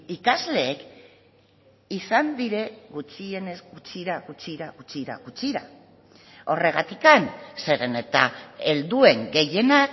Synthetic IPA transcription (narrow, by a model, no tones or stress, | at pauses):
ikazle̞ːk | isand̪iɾe̞ɣut͡ʃie̞ne̞zɡut͡ʃiɾaɣut͡ʃiɾaɣut͡ʃiɾa̰ɣut͡siɾa̰ | o̞re̞ɣ̞at̪ikanse̞ɾene̞t̪ae̞ld̪ue̞ŋɡe̞je̞nak